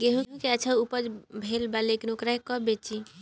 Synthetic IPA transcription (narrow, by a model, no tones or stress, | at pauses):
ɡeɦũɦũkeat͡ʃʰaupəd͡ʒbʱelbalekinokɾaɦkɔbet͡ʃi